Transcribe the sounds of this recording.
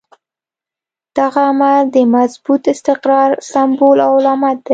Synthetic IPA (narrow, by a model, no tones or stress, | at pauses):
d̪̥aɣaːmad̪əmazbut̪ɪst̪ɪqɾɑɾsambolawʊlɑmat̪̚d̪aj